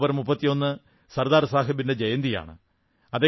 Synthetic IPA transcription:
bɐɾmupːɐt̪ːijo̞nːɨ | sɐrd̪aːɾsaːɦɐbinded͡ʑejɐnd̪ija̰ːɳɨ̰ | ɐðeː

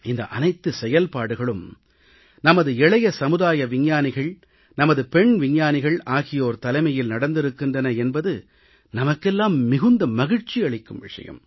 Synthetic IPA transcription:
ɪnd̪ɐʔɐ̰nɐɪt̪ːɯsɛjɐlpaːɽɯɣɐɭɯm | nɐmɐðɯɛɭɐjɐsɐmɯðaːjɐʋɪɲːaːnɪɣɐɭ | nɐmɐðɯpɛɳʋɪɲːaːnɪɣɐɭaːɣɪjoːɾt̪ɐlɐɪmɐjɪlnɐɽɐnd̪ɪɾɯkːɪndrɐnɐɛnbɐðɯ | nɐmɐkːɛlːaːmːɪɣɯnd̪ɐmɐɣɪɻt͡ʃiɐɭɪkːɯmʋɪ̰ʂɐ̰jɐ̰m

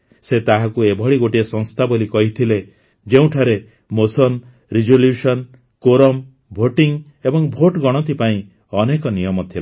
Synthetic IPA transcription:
set̪aɦakuebʱɔɭiɡoʈiesɔ̃ŋst̪ʰabolikɔɦit̪ʰile | d͡ʒeũʈʰaɾe | mosɔn | ɾid͡ʒoljusɔn | koɾɔm | bʱoʈiŋ | ebɔŋbʱoʈɡɔɽ̃ɔt̪ipaĩ | ɔnekɔnijɔmɔt̪ʰila

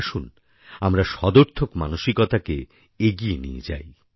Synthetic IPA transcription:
ʃun | amɾaʃɔd̪oɾt̪ʰokmanoʃikɔt̪ake | eɡienḭḛd͡ʑa̰j

